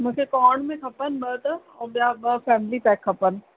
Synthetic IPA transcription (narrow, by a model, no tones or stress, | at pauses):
mũkʰekɔːɳmẽkʰɐpənɓət̪ | ɔːbjabəfɛːmlipɛːkʰːɐpən